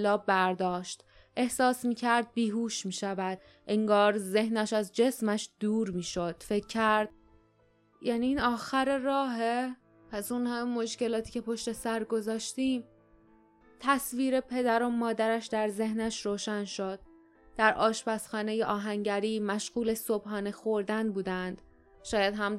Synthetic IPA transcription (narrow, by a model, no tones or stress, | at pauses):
lɒːbbæɾd̪ɒːʃt̪ | ʔe̞hsɒːsmiːcʰæɾd̪̚biːɦuːʃmiːʃævæd̪̥ | ʔeŋɡɒːɾze̞hnæʃæzd͡ʒe̞smæʃd̪̥uːɾmiːʃo̞d̪̥fe̞cʰːæɾd̪̥ | jæːniːnɒːxæɾeɾɒːɦe | pʰæsunhæmːo̞ʃce̞lɒːt̪ʰiːcʰe̞pʰo̞ʃt̪e̞sæɾɡo̞zɒːʃt̪iːm | t̪ʰæsviːɾe̞pʰe̞d̪æɾo̞mɒːd̪æɾæʃd̪æɾze̞hnæʃɾoːʃænʃo̞d̪̥̚ | d̪̥æɾʔɒːʃbæsxɒːne̞jeʔɒːɦæŋɟæɾiːmæʃɣuːle̞so̞b̥hɒːnexo̞ɾd̪ænbuːd̪ænd̪̥ | ʃɒːjæd̪ɦæm